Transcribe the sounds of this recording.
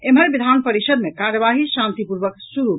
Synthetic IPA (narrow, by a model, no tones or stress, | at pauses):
emɦəɾbid̪ʱanpəɾisəd̪mekaɾəʋaɦiʃãnt̪ipuɾʋəksuɾu